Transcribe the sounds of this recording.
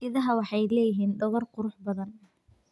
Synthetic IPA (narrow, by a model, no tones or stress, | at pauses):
ɪðɐɦɐwɑħɑjlɛːjɪɦiːnɖ̪ɔɣɐrqʊɾʊħbɐðɐn